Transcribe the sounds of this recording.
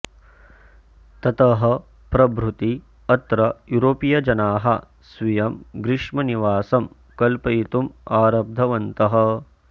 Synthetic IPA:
t̪ɐt̪ɐɦɐ̆ | pɾɐbɾut̪i | ɐt̪ɾɐjuɾoːpijɐd͡ʒɐnaːɦɐ | sʋijɐmɡɾɪʂmɐniʋaːsɐm | kɐlpɐjt̪umaːɾɐb̚d̪ʱɐʋɐnt̪ɐɦɐ̆

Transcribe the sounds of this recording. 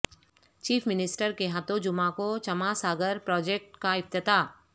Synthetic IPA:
t͡ʃiːpʰmɪnɪsʈəɾkeɦat̪õd͡ʒʊmãkot͡ʃɐmasaːɡəɾpɾɔːd͡ʒeːk̚ʈkaɪp̚t̪ɪt̪aː

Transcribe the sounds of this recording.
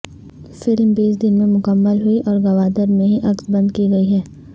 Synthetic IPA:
fɪlmbiːs̬d̪ɪnmẽmʊkəmːəlɦuiʔɔːɾɡɐʋaːd̪əɾmẽɦiʔɐksbɐ̃nd̪kiɡɐiɦɛː

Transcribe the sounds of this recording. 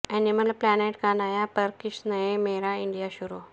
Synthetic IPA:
eniməlplaneʈkanajapəɾkiɕnəjemeɾaiɳɖijaɕuɾu

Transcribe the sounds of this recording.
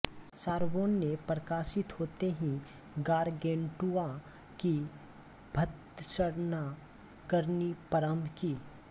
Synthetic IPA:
saːɾʋoːnːepɾɐkaːʃɪt̪hoːt̪eɦĩ | ɡaːɾɡẽːɳʈua | ki | bʱɐt̪t͡ʃəɾna | kəɾnipɐɾəmʱkiː

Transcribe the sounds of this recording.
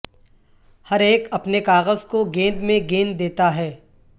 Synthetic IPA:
hɐɾeːkɐpnekaːɣəzkoɡẽːnd̪mẽɡẽːnd̪eːt̪aɦɛː

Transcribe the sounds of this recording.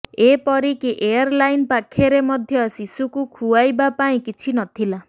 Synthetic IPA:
epɔɾikiʔejaɾlajnpakʰeɾemɔd̪ʱjɔsisukukʰuajbapaĩkit͡ʃʰinɔt̪ʰila

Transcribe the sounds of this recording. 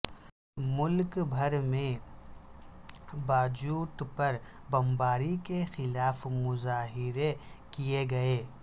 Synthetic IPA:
mʊlkbʱɐɾmẽ | baːd͡ʒuːt̪pɐɾ | bɐ̃mbaːɾikexɪlaːfmʊzaːɦɪɾe | kieɡɐeː

